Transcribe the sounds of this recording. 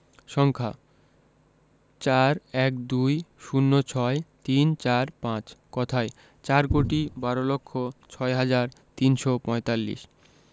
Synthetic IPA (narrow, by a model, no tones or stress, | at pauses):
ʃɔŋkʰa̰ | t͡ɕaɾɛkd̪ujʃunːot͡ɕʰɔet̪int͡ɕaɾpãt͡ɕkɔt̪ʰae | t͡ɕaɾkoʈibaɾolokʰːot͡ɕʰɔeɦad͡ʑaɾt̪inʃɔpɔ̃et̪alːḭʃ